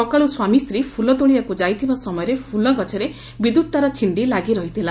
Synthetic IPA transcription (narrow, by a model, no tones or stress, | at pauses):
ɔkaɭuswamist̪ɾipʰulɔd̪oɭ̃iakud͡ʒajt̪ʰibasɔmɔjɔɾepʰulɔɡɔt͡ʃʰɔɾe | bid̪ut̪̚t̪aɾɔt͡ʃʰiɳɖilaɡiɾɔɦit̪ʰila